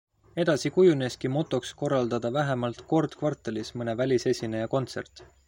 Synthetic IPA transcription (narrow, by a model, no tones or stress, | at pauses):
e̞d̪̥ɑsikujuneskimo̞t̪ːˑo̞ksko̞rːɑld̪ɑd̪ɑvæɦe̞mɑlt̪ko̞rd̪̥kvɑrt̪ːˑelismɤne̞vælʲise̞sʲinejɑko̞nt̪se̞rt̪